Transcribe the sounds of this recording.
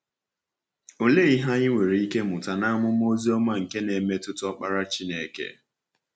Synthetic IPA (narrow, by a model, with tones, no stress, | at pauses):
o˨le˦i˦ɦa˦ɲɪ˦ŋʷe˨ɾi˨i˦ke˦mʊ˨ta˨na˦mʊ˦m˦o˦zi˦ɔ˦ma˦ŋ̩˨ke˦ne˨˦me˦tʊ˦tɔ˦k͡pa˦ɾa˦t͡ʃi˦ne˨kḛ˦